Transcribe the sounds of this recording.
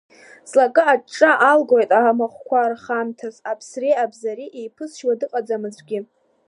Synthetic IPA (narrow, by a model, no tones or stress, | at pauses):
slakʼɨaʈ͡ʂʼːaʔalɡojtʼamaχʷkʷʰarχamtʰasapʰsrejabzaɾiʔejpʰɨsʃwadɨqʼad͡zamɨzʷʰʼɡʲɪ